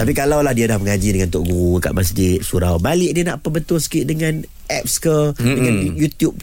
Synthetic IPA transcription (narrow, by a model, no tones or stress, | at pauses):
t̪apikalawlahdiadahməŋad͡ʒidəŋant̪ʊʔɡuɾuka̰ʔmas̬d͡ʒɪt̪̚suɾawbalɪʔ̚dianaʔpəbənt̪ʊlsə̥kiʔdəŋãn | ʔɛp̚skədəŋãnjut̪jup̚